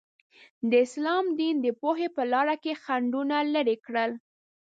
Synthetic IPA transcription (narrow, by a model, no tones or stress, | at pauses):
d̪əɪslɑmd̪ind̪əpohepəlɑɾakexaɳɖunaləɾekɽəl